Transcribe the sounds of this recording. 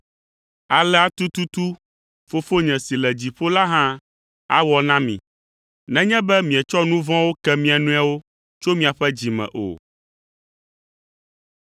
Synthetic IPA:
a˨lɛ˦a˨t̪u˦t̪u˦t̪u˦ | fo˦fo˦ɲɛ̃˨si˨lɛ˨d͡ʑi˨ɸo˦la˦ɦã˦ | a̰˨wɔ˦nã˦mḭ̃˨ | nɛ̃˦ɲɛ̃˦bɛ˦mĩ˨ɛ˨t͡ʃɔ˦nũ˦vɔ̃˦wo˦kɛ˦mĩ˦a˨nũ˦a˦wo˦ | t͡ʃo˦mĩ˨a˨ɸɛ˦d͡ʑi˨mɛ̰̃˨ʔo̰˨

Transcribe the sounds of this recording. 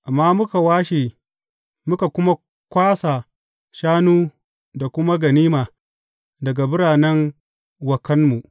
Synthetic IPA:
ʔa˨mːaː˦mʊ˦ka˨waː˦ʃeː˨ | mʊ˦ka˨kʷʊ˦ma˦ | kʷaː˦sa˨ | ʃaː˦nuː˦ | da˨kʷʊ˦ma˦ɡɐ˨niː˦maː˨ | dɐ˨ɡa˨bʊ˦ɾaː˨nɛ˦n | wɐ˨kɐ˦nmu˨ʔ

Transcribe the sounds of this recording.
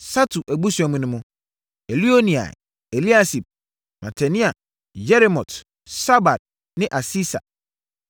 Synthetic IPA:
sa˦tʰu˨ʔæ˨bu˦sɛ˨mũ˦nʊ̃˦mʊ̃˦ | e˨li˦o˦nĩ˨a̰˨ | e˨li˦a˦si˨b̚ | mʔa˨tʰa˨nĩ˦a˨ | jɛ˦ɾi˨mɔ˨t | sa˦ba˨t̚ | nɪ̃˦ʔa˨si˦sa̰˨

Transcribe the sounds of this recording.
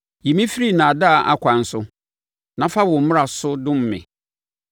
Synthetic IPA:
ji˨mĩ˦fi˦ɾi˦˨nãː˨da˦˨ʔa̰˦kʰʷã˨n̩˦sʊ˦ | nã˨˦fa˦wɔ̃˨m̩˦m̃˦a˨sʊ˦dʊ̃˦m̩˨mɪ̰̃˨

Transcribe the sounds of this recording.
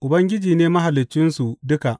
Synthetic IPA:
ʔʊ˨bɐ˦ŋɡʲɪ˦d͡ʒiː˨neː˦mɐ˦ɦa˨lːɪ˨t͡ʃːɪ˦nsu˨dʊ˦ka˨ʔ

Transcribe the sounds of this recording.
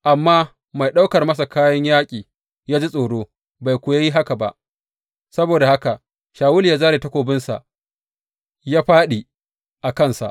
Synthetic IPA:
ʔa˨mːaː˦ | ma˨jɗa˦wkɐ˨rmɐ˦sa˨kaː˦jɐ˦ɲjaː˦kʲʼiː˨ | jaː˦d͡ʒe˦sʼoː˨ɽoː˦ | ba˨jkʷoː˨ja˦ji˦ɦa˦ka˨ba̰˨ʔ | sɐ˦boː˨da˨ha˦ka˨ | ʃaː˨wʊ˦li˨ja˦zaː˦ɾeː˨tɐ˦kʷoː˨bɪ˦nsa̰˨ʔ | jaː˦ɸaː˦ɗi˨ | ʔa˨kɐ˦nsa̰˨ʔ

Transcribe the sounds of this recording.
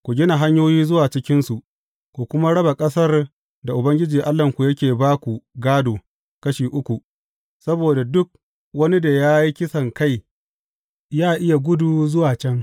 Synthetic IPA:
kʷu˨ɡʲɪ˦na˨ɦa˦ɲjoː˦jiː˦zʊ˦waː˨t͡ʃɪ˦kʲɪ˦nsu˨ʔ | kʷu˨kʷʊ˦ma˦ɽɐ˦ba˨kʼɐ˦sɐ˦r | da˨ʔʊ˨bɐ˦ŋɡʲɪ˦d͡ʒiː˨ʔa˦lːɐ˨ŋkʷu˨jɐ˦kʲeː˨baː˦kʷu˨ɡaː˦doː˨ | kɐ˦ʃiː˨ʔʊ˦kʷu˨ | sɐ˦boː˨da˨dʊ˦k̚ | wɐ˦ni˦da˨jaː˦ji˦kʲɪ˦sɐ˨ŋka˦˨j | jaː˦ʔɪ˦ja˨ɡʷʊ˦du˨zʊ˦waː˨t͡ʃɛ˦ŋ

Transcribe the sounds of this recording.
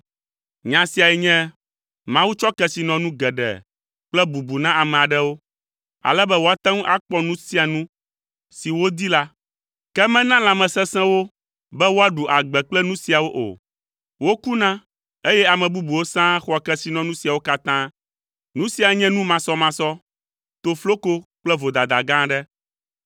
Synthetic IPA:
ɲã˨si˨a˨ɛ˨ɲɛ̃˦ | mã˦wu˦t͡ʃɔ˦kɛ˦si˨nɔ̃˨nũ˦ɡɛ˨ɖɛ̰˨ | k͡plɛ˦bu˨bu˨nã˦a˨mɛ̃˨a˨ɖɛ˦wo˦ | a̰˨lɛ˦bɛ˦wo˦a˦t̪ã˦ŋ̃˦ʔa˦k͡pɔ˦nũ˦si˦a˨nũ˦ | si˨wo˦d̪i˦la˦ | kɛ˦mɛ̃˦nã˦lã˨mɛ̃˨sɛ̃˦sɛ̃˦wo˦ | bɛ˦wo˦a˦ɖu˨ʔa˨ɡ͡bɛ˨k͡plɛ˦nũ˦si˨a˨wo˦ʔo̰˨ | wo˦ku˦nã˦ | e˦jɛ˦a˨mɛ̃˨bu˦bu˨wo˦sã˦xɔ˦a˨kɛ˦si˦nɔ̃˦nũ˦si˨a˨wo˦ka˦t̪ã˦ | nũ˦si˨a˨ɲɛ̃˦nũ˦mã˨sɔ˦mã˨˦sɔ˦ | t̪o˨flo˦ko˦k͡plɛ˦vo˨d̪a˨d̪a˨ɡã˦ɖɛ˦

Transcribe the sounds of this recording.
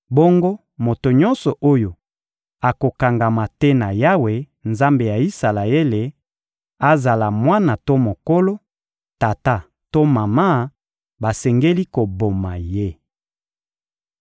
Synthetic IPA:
bo˦ŋɡo˦ | mo˨to˨ɲɔ̃˦nsɔ˨ʔo˦jo˨ | a˨ko˨ka˨ŋɡa˨ma˨tɛ˦na˨ja˦we˨ | nza˦mbe˨ja˨i˦sa˨la˨e˦le˨ | a˦za˨la˨mwa˦na˨to˦mo˨ko˦lo˦ | ta˨ta˦ | to˦ma˨ma˦ | ba˨sɛ˨ŋɡe˦li˦ko˨bo˨ma˨je˦

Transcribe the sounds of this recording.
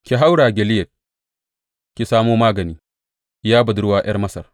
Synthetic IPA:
kʲi˨ɦa˦wɽaː˨ɡʲɛ˨lɪ˦jɐ˨t̚ | kʲi˨saː˦moː˦maː˦ɡɐ˨niː˦ | jaː˦bɐ˨dɾʊ˦waː˨j̰ɐ˦rmɐ˦sɐ̰˨r

